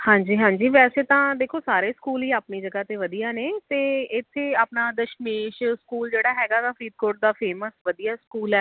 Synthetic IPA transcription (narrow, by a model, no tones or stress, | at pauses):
hãːɲd͡ʒiːɦãːɲd͡ʒiːʋɛːseːt̪ãːd̪eːkʰoːsaːɾeːskuːlɦiːaːpniːd͡ʒəɡaːt̪eːʋəd̪ijaːneːt̪eːɪt̪ʰːeːaːpnaːd̪əʃmeːʃskuːld͡ʒeːɽaːɦɛːɡaːt̪ãːfʰiːd̪̚koːʈ̚d̪aːpʰeːməsʋəd̪ijaːskuːlɛː